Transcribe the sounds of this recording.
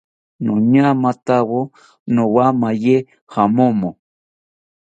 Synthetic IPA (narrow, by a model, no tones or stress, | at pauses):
nõɲamat̪awo | nõwamaje | hamomo